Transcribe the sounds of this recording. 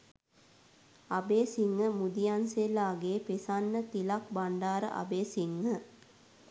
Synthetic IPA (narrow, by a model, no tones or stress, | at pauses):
abeːsiŋːəmud̪ijanselaːɡeːpesanːət̪ilak̚baɳɖaːɾə̰ʔa̰beːsiŋːə